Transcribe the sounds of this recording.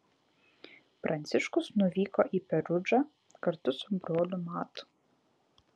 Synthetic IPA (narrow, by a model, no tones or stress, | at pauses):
pɾʔɐnʲt̪sɪʃkʊsnʊvʲiːkɔʔipɛɾʊd͡ʒɐ | kɐɾt̪ʊsʊbɾoːlʲʊmaːt̪ʊ̥